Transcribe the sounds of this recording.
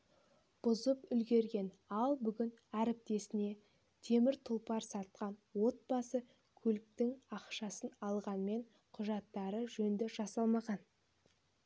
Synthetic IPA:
b̥ʊzəpʏlɡʲe̞ɾɡʲe̞n | ɑlˠbʏɡʲɪnæɾɪp̚t̪e̞sɪne̞ | t̪ʰe̞mɪɾt̪ʰʊlˠpɑɾsɑɾt̪̚qɑnwo̞t̪̚bɑsə | kʲʰɵlɪk̚t̪ɪŋɑqʃɑsənɑlˠʁɑnme̞ɴ | qʰʊʒɑt̪ːɑɾəʒɵnd̪ɪʒ̥ɑsɑlˠmɑʁɑn

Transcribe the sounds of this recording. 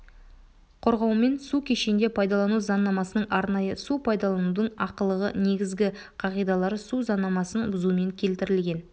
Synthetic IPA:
qʰoɾʁɑwme̞nsukʲʰe̞ʃend̪e̞pʰɑjd̪ɑlˠɑnuzɑnːɑmɑsənəɴʔɑɾnɑjəsupʰɑjd̪ɑlˠɑnud̪əɴɑqəlˠəʁə̰ne̞ɡʲɪzɡʲɪ | qʰɑʁijd̪ɑlˠɑɾsuzɑnːɑmɑsənbʊzume̞ŋkʲʰe̞lt̪ɪɾɪlɡʲe̞n

